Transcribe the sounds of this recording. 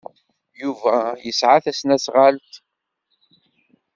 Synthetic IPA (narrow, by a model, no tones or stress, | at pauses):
juvæjəsʕaθæsnæsʁalt̪